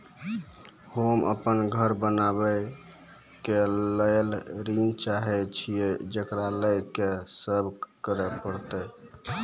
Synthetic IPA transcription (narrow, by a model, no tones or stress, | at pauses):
homə̰pənɡʱəɾbənabə | keləjlɾint͡ʃaɦɛt͡ʃʰijed͡ʒəkɾaləjkesəbʱkəɾɛpəɾt̪əj